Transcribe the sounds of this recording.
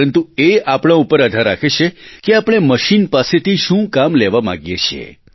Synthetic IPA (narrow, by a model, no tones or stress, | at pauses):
ənt̪ueapɽ̃ãupəɾəd̪ʱaɾːakʰet͡ʃʰekeapɽ̃eməʃinpaset̪ʰiʃũkamleʋamã̰ɡjet͡ʃʰiḛ